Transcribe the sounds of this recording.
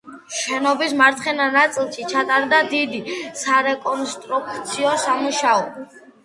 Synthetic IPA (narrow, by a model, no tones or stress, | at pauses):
ʃɛnɔbismaɾt̪ʰχɛnanat̪sʼilˠʃit͡ʃʰat̪ʼaɾd̪ad̪id̪isaɾɛkʼɔnst̪ʼɾukʰʼt̪sʰiɔsamuʃaɔ